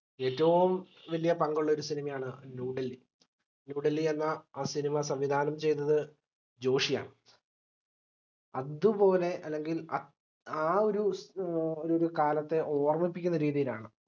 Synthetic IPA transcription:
e̞ːtːɐʋum | ʋɐlijɐpɐŋɡuɭːɐo̞ɾusinimɐjaːɳɨnuːɖɐlːi | nuːɖɐlːienːɐaːsinimɐsɐmʋid̪ʱaːnɐmt͡ɕe̞jnːɐðɨ | d͡ʑo̞ːʂija̰ːɳɨ | ɐðupo̞ːle̞ʔɐlːe̞ŋɡilɐ | aːo̞ɾu | oɾoɾukaːlɐt̪ːe̞ʔo̞ːrmipːikʲːunːɐɾiːðijilaːɳɨ

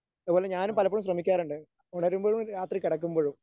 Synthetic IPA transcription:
ɐðupoːle̞ɲaːnumpɐlɐp̬ːoːɻumɕ̬rɐmikʲːaːɾuɳɖɨ | uɳɐɾumboːɻumɾaːt̪rikiɽɐkːumboːɻum

